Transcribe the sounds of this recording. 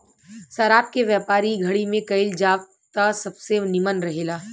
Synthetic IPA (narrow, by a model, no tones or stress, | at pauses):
saɾaːp̚keʋjaːpaːɾiɡʱɐɽimẽkɐɪld͡ʒaːʋ | t̪asɐbsenɪmənɾɐɦeːlaː